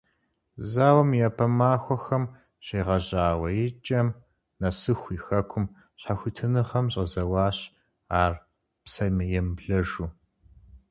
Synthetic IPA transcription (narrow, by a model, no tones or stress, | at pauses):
zaːwɐmjapʰɐmaːxʷɔxɐm | ɕeːʁɐʑaːwɐjɪt͡ʃʼɐm | nɐsɨxʷiːxɐkʷʰʊm | ɕħaxʷitʰɨnɨχɐmɕʼɐzɐwɑːɕ | aːr | psɐmɨjɛmbɮɐʒuː